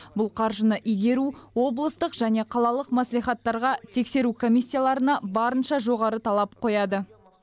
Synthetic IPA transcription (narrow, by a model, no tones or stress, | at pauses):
bʊlˠqʰɑɾʒənəʔijɡʲe̞ɾuwo̞blˠəst̪əqʒæne̞qʰɑlˠɑlˠəqmæslijχɑt̪ːɑɾʁɑt̪ʰe̞kse̞ɾukʰo̞mijsʲːijalˠɑɾənɑbɑɾənʃɑʒo̞ʁɑɾət̪ʰɑlˠɑp̚qʰo̞jɑd̪ə